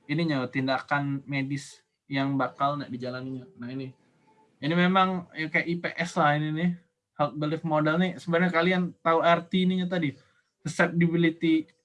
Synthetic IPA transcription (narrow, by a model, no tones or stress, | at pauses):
iniɲat̪indakanmedɪs | jaŋbakalna̰ʔdid͡ʒalaniɲanahini | inimemaŋjakajaʔipeʔɛslahininɪ | hak̪̚bəlɪfmodɛlnisəbarɲakaliant̪auart̪iːniɲat̪̬adi | səsɛp̚dibilit̪i